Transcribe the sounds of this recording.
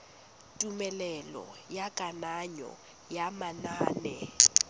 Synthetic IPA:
tʼumɛlɛlɔ̰jakʼanaɲɔ̰ | jamanaːnɛ

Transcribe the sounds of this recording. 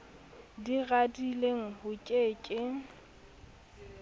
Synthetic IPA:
diɣadileŋ̩hʊkʼeːkʼɪŋ̩

